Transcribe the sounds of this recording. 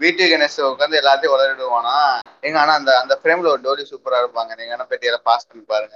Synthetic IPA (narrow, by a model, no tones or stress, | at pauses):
ʋiːʈːʋɪkɐnesɔkːɐɾɯnd̪ɯɛlːaːt̪ːɪj̃ʋɐlɐɾɪɽɯʋaːnaː | ɛŋɡɐaːnaːɐnd̪ɐɐnd̪ɐfɪɾeːmɪlɔɾɖoːlisuːpɐɾɐɽɯpːaːŋɡɐnɛŋɡɐnːaːpɛʈːɪjɐːlapaːspɐnːipaːɾɯŋɡɐ